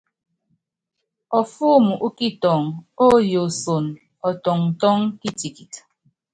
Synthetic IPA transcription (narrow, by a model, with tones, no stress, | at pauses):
ɔ˨fuː˦mu˨ʔu˦ki˦tɔ˨ŋo˦jo˨so˨n | ɔ˨tɔ˨ŋ̩˨tɔ˦ŋki˦ti˨ki˨t